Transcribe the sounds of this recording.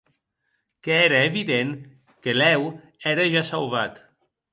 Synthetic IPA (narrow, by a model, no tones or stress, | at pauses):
keɛɾəeβiðeŋ | kelɛw | ɛɾəʒasalβat̪